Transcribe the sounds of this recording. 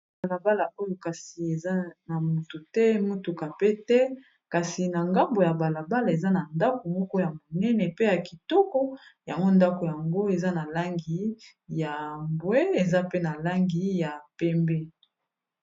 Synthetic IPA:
a˨la˨ba˦la˨ʔo˦jo˨ka˨si˨e˨za˦na˨mu˨tu˨tɛ˦mo˦tu˨ka˨pe˦tɛ˦ | ka˨si˨na˨ŋɡa˦mbo˨ja˨ba˨la˨ba˦la˨e˨za˦na˨nda˦ko˨mɔ˦kɔ˦ja˨mo˨nɛ˦nɛ˨pe˦ja˨ki˨tɔ˦kɔ˦ja˨ŋɡo˦nda˦ko˨ja˨ŋɡo˦e˨za˦na˨la˦ŋɡi˨˦ | ja˨mbwe˦e˨za˦pe˦na˨la˦ŋɡi˨˦ja˨pɛ˦mbɛ˦

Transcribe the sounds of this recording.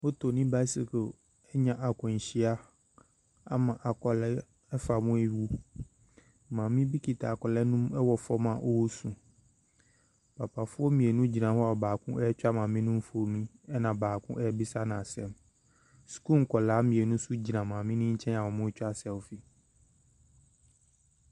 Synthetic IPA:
o˦tʰo˨nĩ˦ba˦si˨kʰo˨ | ɛ˦ɲã˨ʔa˨kʰɔ̃˨n˨ɕi˦a˦ | a˦mã˨ʔa˨kɔ˨lɛ˦ | ɛ˦fa˨mʊ̃˦ɛ˦wu˦ | mãː˨mĩ˦bi˦kʰi˨tʰa˨kɔ˨lɛ˦nʊ̃˦mɛ˦wɔ˨fɔ˦mã˨ʔo˦wo˦sũ˨ | pʰa˨pʰa˨fʊ˦ɔ˦mĩ˨e˨nũ˦d͡ʑi˨nã˨hɔ˦a˨baː˨kʰʊ̃˦ʔɛ˦t͡ɕᶣa˦mãː˨mĩ˦nʊ̃˦m̩˦fo˨mĩ˦ | ɛ˦nã˨baː˨kʰʊ̰̃˦ʔɛ˦bi˦sa˦nã˨sɛ˨m | sku˦ŋ̩˨kʰɔ˨laː˨˦mĩ˨e˨nũ˦su˦d͡ʑi˨nã˨mãː˨mĩ˦nʊ̃˦ɲ̩˦t͡ɕʰɛ̃˦na˨wɔ˨mʊ̃˦t͡ɕᶣa˦sɛ˨wfi˨

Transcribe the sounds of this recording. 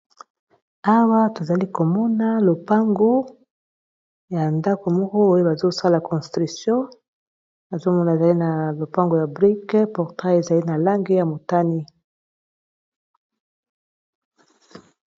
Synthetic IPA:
a˦wa˦to˨za˨li˦ko˨mɔ˦na˦lo˨pa˦ŋɡo˦ | ja˨nda˦ko˨mɔ˦kɔ˦o˦je˦ba˨zo˦sa˦la˨kɔ̃˨stʁi˨sjɔ̃˦ | na˨zo˦mɔ˦na˨e˨za˨li˦na˨lo˨pa˦ŋɡo˨ja˨bʁi˦kpɔ˨ʁtʁa˦e˨za˨li˦na˨la˦ŋɡe˦ja˨mo˨ta˦ni˦

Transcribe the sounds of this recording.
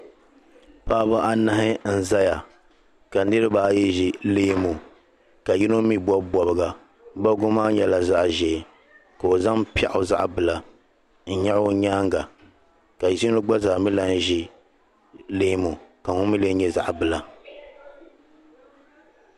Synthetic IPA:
paː˦ba˦ʔa˨na˦hɪ˦n̩˦za˦ja˨ | ka˨˦nɨ˦ɾɨ˦baː˨jɛ˦ʒi˨leː˦mo˨ | ka˨ji˦no˦mi˦bɔ˦bɔ˨bɨ˦ɡa˨˦ | ba˦ɡʊ˦maː˦ɲɛ˨˦la˨za˦ʔʒɛ˨ | ka˨o˨za˦ŋpi˦a̰˦˨ʔʊ˨za̰˦ʔbɨ˨la˨ | n̩˦ɲa˦ɾɲaː˦ŋɡa˨ | ka˨˦si˦o˦ɡ͡ba˦zaː˨mi˦la˦n˦ʒi˦ | leː˦mo˨ka˨ŋʊ˦mi˦le˦ɲɛ˦za̰˨ʔbɨ˨la˨

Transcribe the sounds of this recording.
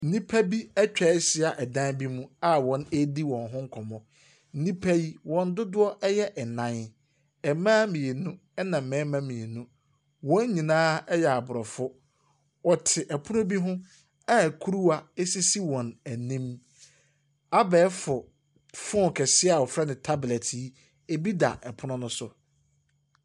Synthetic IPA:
n̩˦nĩ˦pʰæ˦bi˦ɛ˦t͡ɕᶣɛ˨˦sɪ˦a˨ʔɛ˨dã˦nbi˦mũ˦a˦wɔ̃˨˦ne˦di˦wɔ̃˨nɦʊ̃˦ŋ̩˦kʰɔ̃˨mɔ̃˨ | n̩˦nĩ˦pʰæ˦ji˦wɔ̃˨n˦dʊ˦dʊ˦ɔ˦ʔɛ˦jɛ˦ʔɛ˨nã˨n | ɛ˨mãː˦mĩ˨e˨nũ˦ | ɛ˦nã˨m̩˨mɛ̃ː˨˦mã˦mĩ˨e˨nũ˦ | wɔ̃˦ɲ˦ɲĩ˨nãː˦ɛ˦jɛ˨a˨bʊ˨ɾɔ˨fʊ˦ | ɔ˨tʰɪ˨ʔɛ˨pʰʊ˦nʊ̃˦bi˦ɦʊ̃˦ | a˦æ˨kʰu˦ɾu˦a˨e˦si˦si˦wɔ̃˨næ˨nĩ˦m | a˦bɛː˨˦fʊ˨ | fʊ̃˦˨kʰɛ˨sɪ˦a˨wɔ˨fɾɛ˦nɪ̃˨tʰa˦blɛ˨tʰi˨˦ | e˨bi˦da̰˨ʔɛ˨pʰʊ˦nʊ̃˦nʊ̃˦sʊ˨

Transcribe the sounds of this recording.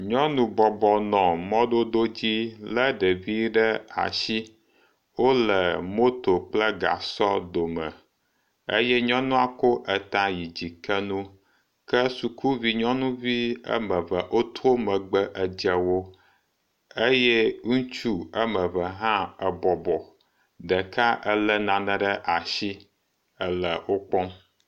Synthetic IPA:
ɲɔ̃˦nũ˨bɔ˨bɔ˨nɔ̃˨mɔ̃˦ɖo˦d̪o˦d͡ʑi˦lə˦ɖɛ˨vi˦ɖɛ˦a̰˨si˦ | wo˦lɛ˨mo˦t̪o˨k͡plə˦ɡa̰˨sɔ˦d̪o˨mə̰̃˨ | ḛ˦jɛ˦ɲɔ̃˦nũ˦a˨ko˦ʔɛ˨t̪ã˨ji˨d͡ʑi˨kɛ˦nũ˦ | kə˦su˨kʰu˦vi˨ɲɔ̃˦nũ˦vi˦ə̰˦mə̃˨və˨ʔo˦t̪o˦mə̃˨ɡ͡bə˦ʔə˨d͡ʒɛ˨wo˦ | e˦jɛ˦ŋũ˦t͡ʃu˦ə˦mə̃˨və˨ɦã˦ə˨bɔ˨bɔ˨ | ɖɛ˨kʰa˦ʔə˦lə˦nã˨nə̃˨ɖə˦ʔa˨ʃi˦ | ə˦lə˨wo˦k͡pɔ̃˦m

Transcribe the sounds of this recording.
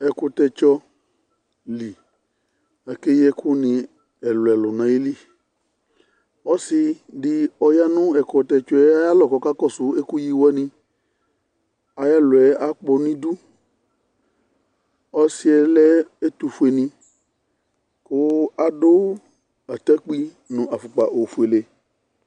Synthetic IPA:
ɛ˨kʊ˧t̪ɛ˧t͡ʃɔ˧ | li˨ | a˨ke˦jɛ˦kʰʊ˦nɪ̃˧ | ɛ˨lʊ˨ɛ˨lʊ˨nã˨ji˦li˦ | ɔ˦sɪ˧dɪ˨ɔ˧ja˦nʊ̃˦ɛ˨kɔ˧t̪ɛ˧t͡ʃɔ˦ɛ˦a˦ja˦lɔ˨kɔ˧ka˦kɔ˦˨sʊ˨e˦ku˦ji˦wɛ˦nĩ˧ | a˨ja˦lʊ˨ɛ˨a˦k͡pɔ˧nĩ˦du˦ | ɔ˦si˦ɛ˨lɛ˦e˦t̪u˨˧fu˨e˨nĩ˧ | kʊ˦a˨do˦ | a˨t̪a˦k͡pi˦ | nʊ̃˨ʔa˨fʊ˨k͡pa˨ʔo˨fu˨e˨le˨

